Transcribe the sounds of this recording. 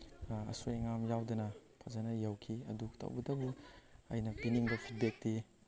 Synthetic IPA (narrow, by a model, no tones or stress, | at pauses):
ɐ̰soeŋamjawdɐnɐpʰɐzanɐjɐwkʰiɐ̰duktʰɐ̰wbɐtɐbuɐ̰jnɐpiniŋbɐpʰit̚bek̚ti